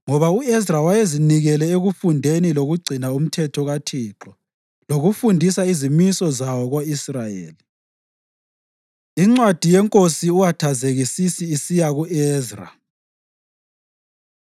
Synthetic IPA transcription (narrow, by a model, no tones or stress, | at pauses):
ŋɔβauɛzrawajeziniɣɛlɛeɣufundʱeniloɣuɡ͡ǀʱinaum̩tʰɛtʰɔɣatʰiǁɔ | loɣufundʱisaizimisɔzawɔɣwaisrajḛːli | iŋ͡ǀwad̥ʱijɛŋkʼosiuɣatʰazeɣisisiːsijaɣuʔɛːzra̰